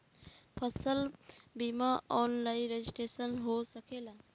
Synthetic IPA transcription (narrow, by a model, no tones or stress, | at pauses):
pʰəsəlbimaɔːnlainɾed͡ʒisʈɾeːsənɦosəkʰeːla